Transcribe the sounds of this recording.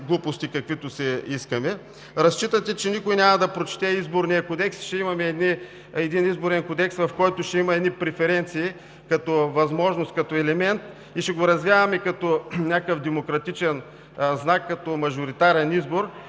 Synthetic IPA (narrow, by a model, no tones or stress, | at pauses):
ɡlˠupost̪ikɐkvit̪ʊsɛiskɐmɛ | ɾɐst͡ʃit̪ɐt̪ɛt͡ʃɛnikʊjnʲamɐd̪ɐpɾot͡ʃt̪ɛizboɾnijɐkod̪ɛksʃɛimɐmɛːd̪ni | ɛd̪inizboɾɛnkod̪ɛksvɐfkɔjt̪ʊʃɛimɐɛd̪nipɾɛfɛɾɛnt̪siː | kɐt̪ɔvɐzmɔʒnost̪kɐt̪ɔɛlɛmɛnt̪̚ | iʃɛɡoɾɐzvjavɐmɛkɐt̪ɔnʲakəfd̪ɛmokɾɐt̪it͡ʃɛn | znakːɐt̪ɔmɐʒoɾit̪aɾɛnizboɾ